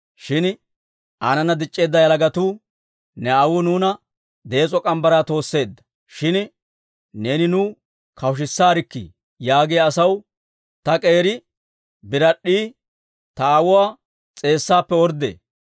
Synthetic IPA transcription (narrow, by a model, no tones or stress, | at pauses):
ʃɪn | ʔaːnɐnɐd̪ɪt͡ʃʼːe̞ːd̪ːɐjɐlɐɡɐt̪uː | nɛɐwʊnuːnɐ | d̪e̞ːt͡sʼɔkʼɐmbɐɾaːt̪o̞ːsːe̞ːd̪ːɐ̥ | ʃɪn | ne̞ːnɪnʊ | kʰɐwʊʃ̬ɪsːaːɾɪkːɪ̰ | jaːɡejɐsɐw | t̪ɐkʼe̞ːɾɪ | bɪɾɐɗːiː | t̪ɐːwʊwaː | t͡sʼe̞ːsːaːpːɛɔɾd̪ḛː